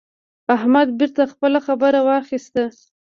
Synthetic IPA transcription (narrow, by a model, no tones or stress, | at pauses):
ahmad̪̚bɪɾt̪axpəlaxabəɾawɑxist̪a